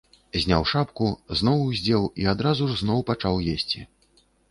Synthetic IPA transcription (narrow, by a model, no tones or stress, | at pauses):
zʲnʲa̰wʂapkuznɔwuzʲd͡zʲɛwiad̪ɾazuʐznɔwpat͡ʂawjesʲt͡sʲi